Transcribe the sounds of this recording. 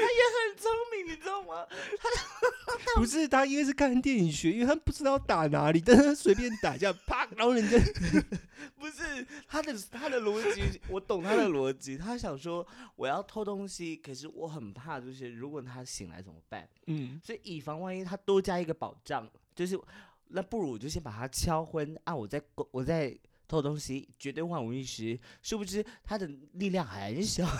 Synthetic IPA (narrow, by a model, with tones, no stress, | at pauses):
t̪ʰa˥jɛ˨˧˦xə˨˩nt͡sʰo˥ŋmi˧˥ŋi˧˦o˥˩ŋɐ˨˩t̪ʰa˥ | pu˧˥ʂ̬ɻ̩˥˧t̪ʰa˥i˥ŋɡʂ̬ɻ̩˥˧kʰa˥˩nə˧˥nt̪jɛ˥˩ni˨˩ɕɥɛ˧˥i˥nwe˥˧˩a˥˧pu˥˩ʈ͡ʂɻ̩˥t̪ɑ˥˩ʊt̪a˨˩na̰˧˥li˨˩t̪ə˥swe˧˥ɪp̬jɛ˥˩nt̪a˨˩t͡ɕja˥˩pʰa˥˩ɑ˥ɻə˧˥nʈ͡ʂə˥ | pu˧˥ʂɻ̩˥˩t̪ʰa˥d̪ə˨t̪ʰa˥d̪ə˨lwɔ˧˥t͡ɕi˧˥wɔ˨˧˥t̪ʊ˨˩ŋt̪ʰa˥d̪ə˨lwɔ˧˥t͡ɕi˧˥t̪ʰa˥ɕ̬jɑ˨˩ŋʂwɔ˥wɔ̰˨˩jɑ˥˩ʊt̪ʰo˥ʊt̪ʊ˥ŋɕi˨kʰə˨˩ʂ̬ɻ̩˥˩wɔ˧˥xə˨˩npʰa˥˧t͡ɕjo˥˧ʊʂ̬ɻ̩˥˩ɻu˧˥kwɔ˨˩t̪ʰa˥ɕḭ˨˩ŋla̰˧˥ɪt͡sə̰˨˩mə̰˦pa̰˥˩n̩˥ | swɔ˧˥i˨˩ʔi˨˩fɑ˧˥ŋwa˥˧ni˥t̪ʰa˥t̪wɔ˥t͡ɕja˥i˧˥ɡə˨pɑ˨˩ʊʈ͡ʂɑ˥˩ŋt͡ɕjo˥˧ʊʂ̬ɻ̩˥˩ | na˥˧pu˥˩ɻu˧˥˨t͡ɕjo˥˩ʊɕjɛ˥npa˨˩t̪ʰa˥t͡ɕʰjɑ˥ʊxwə˥na˥˩wɔ˨˩t͡sa˥˩ɪkwɔ˨˩t͡sa˥˩ɪ | t̪ʰo˥ʊt̪ʊ˥ŋɕi˨t͡ɕɥɛ˧˥t̪we˥ɪxwa˥˩wə˧˥i˥˩ʂɻ̩˧˥ʂɻ̩˥˩bu˧˩ʂɻ̩˥˩t̪ʰa˥d̪ə˨li˥˧ljɑ˥˧ŋxa˧a˧˥˧ʂjɑ˥˩